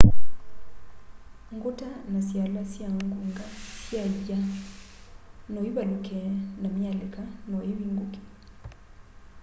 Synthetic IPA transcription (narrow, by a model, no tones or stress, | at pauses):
ŋɡotanasjalasjaŋɡuŋɡasjaja | nɔiβaɗukʰɛnamjalekanɔeβiŋɡuke̥